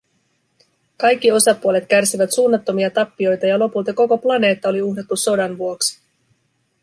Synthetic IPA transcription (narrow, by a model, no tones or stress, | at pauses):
kɑjkːio̞sɑpuole̞t̪kærsiʋæt̪suːnːɑt̪ːo̞miɑt̪ɑpːio̞jt̪ɑjɑlo̞pult̪ɑko̞ko̞plɑne̞ːt̪ːɑo̞liuɦdet̪ːuso̞dɑnʋuo̞ksi̥